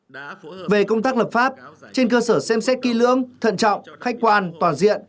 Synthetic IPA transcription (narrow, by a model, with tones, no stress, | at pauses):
ve˨˩kə˧wŋ͡mt̪aː˦˥k̚ləː˨˩p̚faː˦˥p̚t͡ɕe˧nkəː˧səː˧˩sɛ˧msɛ˦˥t̚ki˧˥lɨ̰˧˥əŋt̪ʰə̰˧˨nt͡ɕɔ̰˧˨wŋ͡mxa˦˥k̟̚kwaː˧nt̪waː˨˩nzḭ˧˨ən